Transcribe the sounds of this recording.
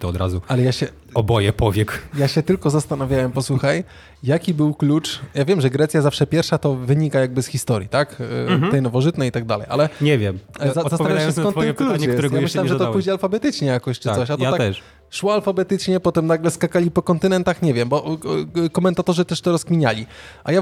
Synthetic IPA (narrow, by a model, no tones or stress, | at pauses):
t̪ɔɔd̪ɾa̰zualɛjaɕɛ | ɔbɔjɛpɔvʲjɛkjaɕɛt̪ɘlkɔzast̪anavʲjawɛmpɔswuxaj | jakʲibɘwklut͡ʂjavʲjɛmʐɛɡɾɛt̪sʲjazafʂɛpʲjɛɾfʂat̪ɔvɘɲikajaɡ̚bɘsxʲist̪ɔɾʲjit̪akt̪ɛjnɔvɔʐɨt̪nɛjit̪aɡ̚d̪a̰lɛ̰jʔa̰lɛɲɛvʲjɛmzaasaaɕɛskɔnkluɲk̪uɾɛɡjamɪʃlawɛmʐɛt̪ɔpuʑɲɛalfabɛt̪ɘt͡ʂɲɛjakɔɕt͡ʂɨɔɕat̪ɔaat̪ɛʂ | ʂwɔalfabɛt̪ɘt͡ʂɲɛpɔt̪ɛmnaɡlɛskakalʲipɔkɔnt̪ɨnɛnt̪axɲɛvʲjɛmbɔ | kɔmɛnt̪at̪ɔʐɨt̪ɛʂt̪ɔɾɔskmʲiɲalʲiʔaja